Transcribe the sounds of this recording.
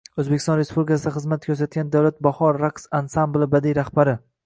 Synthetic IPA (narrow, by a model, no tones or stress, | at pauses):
ɵzbekʲɪ̥st̪ɒnɾespʰublʲikʰʲasɪd̪aχɨzmat̪̚kʲʰɵɾs̬at̪̚ɡʲand̪awlat̪̚bahɒɾːaksansamblˠɪbad̪ijɾahbaɾɪ